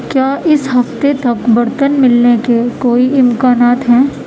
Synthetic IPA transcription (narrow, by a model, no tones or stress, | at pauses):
kjaːʔɪsɦɐft̪et̪ɐkbɐɾt̪ənmɪlnekekoːiʔɪmkaːnaːt̪ɦɛː